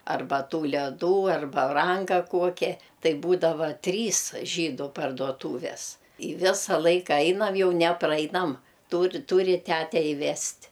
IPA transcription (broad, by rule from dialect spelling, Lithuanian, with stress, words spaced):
ɐrˈbɐ ˈtuː lʲɛˈduː ɐr bɐˈrɐŋkɐ ˈkuɔkʲɛ ˈtɐɪ ˈbuːdɐʋɐ ˈtʲrʲiːs ˈʒʲiːdʊ pɐrduɔˈtuːʋʲɛs ˈɪ ˈʋʲɪsɐ ˈlˠɐɪkɐ ˈɐɪnɐm ˈjɛʊ nʲɛ ˈprɐɪnɐm ˈtuːr ˈtuːrʲɪ ˈtʲætʲɛ ɪˈʋʲɛsʲtʲ